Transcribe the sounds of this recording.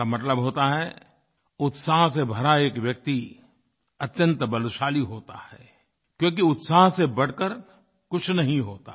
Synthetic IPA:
amɐt̪ləbɦoːt̪aɦɛ | ʊt̪saːɦsebʱɐɾaeːkʋjɐk̚t̪i | ɐt̪jə̃nt̪bɐlʊʃaːliɦoːt̪a̰hɛ̰ː | kjõːk̬iʊt̪saːɦsebɐɽ̤kəɾ | kʊt͡ʃʰnɐɦĩɦoːt̪a

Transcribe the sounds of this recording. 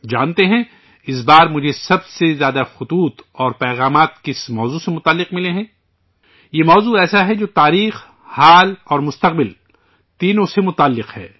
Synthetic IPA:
d͡ʒa̰ːnt̪eɦɛ̃ | ɪs̬baːɾmʊd͡ʒʱesɐbsezjaːd̪axʊt̪uːt̪ɔːɾpɛːɣaːmaːt̪̚kɪsmɔːzusemʊt̪aːlːɪqmɪleɦɛ̃ː | jemɔːzuɛːsaɦɛd͡ʒoːt̪aːɾiːx | haːlɔːɾmʊst̪ɐq̚bɪl | t̪iːnõsemʊt̪aːlːɪqhɛ̰ː

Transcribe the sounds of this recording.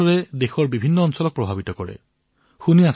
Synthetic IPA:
ɔɹɛdexɔɹbibʱinːɔːnsɔlɔk̚pɹɔbʱabitɔkɔɹɛ̰ | xunias

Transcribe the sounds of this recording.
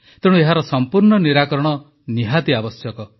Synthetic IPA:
t̪eɽũeɦaɾɔsɔmpuɾɳɔniɾakɔɾɔɽ̃ɔ | niɦat̪iabɔsjɔkɔ

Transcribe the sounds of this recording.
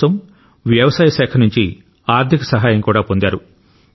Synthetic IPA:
ɐm | ʋjɐʋɐsaːjɐʃɛːkʰɐnuɲt͡ʃi | aːɾt̪ʰikɐsɐɦaːjɐŋkuːɽaːpo̞nd̪aːɾu

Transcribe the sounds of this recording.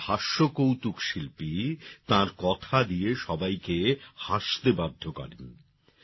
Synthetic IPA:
bʱaʃːokowt̪ukʃilpit̪ãɾkɔt̪ʰad̪ieʃɔbajkehaʃt̪ebad̪ʱːokɔ̰ɾen

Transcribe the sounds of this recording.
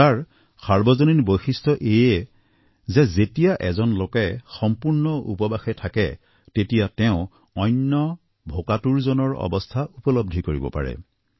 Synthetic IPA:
taɹ | saɹbɔzoninbojxistʰɔʔejɛ | zɛzetijaʔɛzɔnlokɛxɔmpuɹnɔṵpɔbaxɛtʰakɛ | tetijatɛʊ̃ | ɔjnːɔ | bʱokatuɹzɔnɔɹɔ̰bɔstʰaʔupɔlɔb̚dʱikoɹibɔ̰pa̰ɹɛ̰

